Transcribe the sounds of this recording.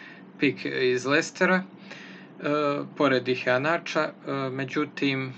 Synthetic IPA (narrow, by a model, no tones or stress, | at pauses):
pikʰizlest̪eɾa | poɾed̪iheanat͡ʃame̞d͡ʑut̪im